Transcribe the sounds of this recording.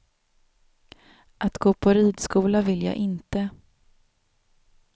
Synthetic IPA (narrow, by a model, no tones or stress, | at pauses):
ʔat̪ɡoːpʰɔɾiːd̪skuːlavɪlja̰ːʔɪnt̪ə